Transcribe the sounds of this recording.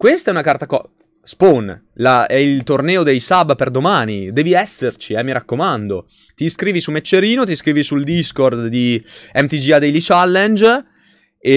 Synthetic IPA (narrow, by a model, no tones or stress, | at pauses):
kwest̪aɛunakart̪akɔ̰ | spon | laɛilt̪ornɛːod̪ejsabperd̪omaːnid̪ɛːviɛsːert͡ʃiɛmːiɾʔakːomand̪o | t̪iskɾiːvisumet͡ʃːeɾiːnot̪̬iskɾiːvisuld̪iskord̪d̪iɛmt̪id͡ʒiad̪ejlit͡ʃalːɛnd͡ʒ | e